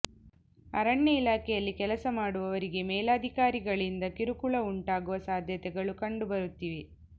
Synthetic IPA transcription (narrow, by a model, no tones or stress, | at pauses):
ɐ̰ɾɐɳːɐilaːkɛjɐlːikɛlɐsɐmaːɽuʋɐʋɐɾiɡe̞mɛːlaːd̪ʱikaːɾiɡɐɭind̪ɐkiɾukuɭɐuɳʈaːɡuʋɐsaːd̪ʱjɐt̪ɛɡɐɭukɐɳɖubɐɾut̪ːiːʋe